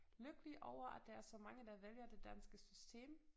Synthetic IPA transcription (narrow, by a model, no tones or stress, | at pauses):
løɡ̥əliʔɒʊɐʔæd̥ɑ̈æɐsɒ̽mɑ̈ŋəd̥ɑ̈ʋeljɐd̥e̝d̥ænsɡ̥əsysd̥ʰe̝̰ːm